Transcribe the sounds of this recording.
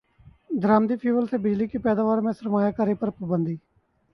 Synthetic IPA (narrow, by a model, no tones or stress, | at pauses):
d̪ɾaːmd̪iːpʰiːʋəlseːbɪd͡ʒliːkiːpɛːd̪aːʋaːɾmɛ̃ːsəɾmaːjaːkaːɾiːpəɾpəbənd̪iː